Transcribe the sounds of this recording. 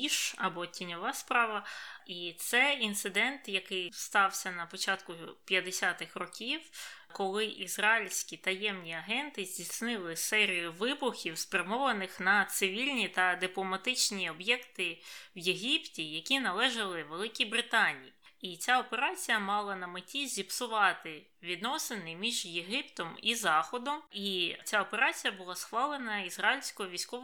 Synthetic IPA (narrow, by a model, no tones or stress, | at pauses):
iʃɐbɔtʲinʲɔʋɑspɾɑʋɐit̪sɛint̪sɪd̪ɛnt̪jɐkɪjst̪ɑwsʲɐnɐpɔt͡ʃɑt̪kʊpʲjɐd̪esʲat̪ɪxrɔkʲiw | kɔlˠɪʔizrɑilʲsʲkʲit̪ɐjɛmnʲiɐɦɛnt̪ɪzʲdʲisʲnɪlˠɪsɛɾʲijʊʋɪbʊxʲiwspɾʲɐmɔʋɐnɪxnɐt̪sɪʋʲilʲnʲit̪ɐd̪ɪplˠɔmɐt̪ɪt͡ʃnʲiɔbjɛkt̪ɪwjeɦʲiptʲijɐkʲinɐlˠɛʒɐlˠɪʋelˠɪkʲibɾɪt̪ɑnʲḭjiit͡sʲaɔpeɾɑt͡sʲijɐmɑlˠɐnɐmɪtʲizʲipsʊʋɑt̪ɪ | ʋʲid̪nɔsenɪmʲiʒjeɦɪpt̪ɔmizɑxɔd̪ɔmit͡sʲaɔpeɾɑt͡sʲijɐbʊlˠɑsxʋɑlˠɪnɐizrɑilʲsʲkɔɔʋʲijsʲkɔ